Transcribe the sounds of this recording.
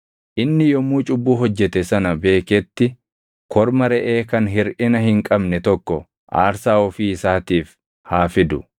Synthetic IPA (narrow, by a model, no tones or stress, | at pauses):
ʔɪnːɪjɔmuːt͡ʃʼʊbːuːɦɔd͡ʒːɛt̪ɛsɐnɐbe̞ːkɛt̪ːɪ | kʰɔɾmɐɾɛʔe̞ːkɐnɦɪɾʔɪnɐhɪŋkʼɐbnɛt̪ɔkːɔ | ʔa̰ːɾsaːɔfiːɪsaːt̪iːf | haːfɪd̪ʊ